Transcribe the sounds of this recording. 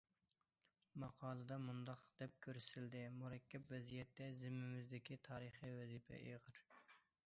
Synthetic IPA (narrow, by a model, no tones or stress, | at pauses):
mɑqʰɑːlˠɨd̪ɑmund̪ɑqd̪̥ɛp̚kʲʰøɾsɪld̪ɪmuɾɛkʲʰːɛpvɛzijɛt̪ːɛzɪmːɪmɪzd̪ɪkʲit̪ʰɑːɾəχijwɛzipʰɛ̰ʔeʁəɾ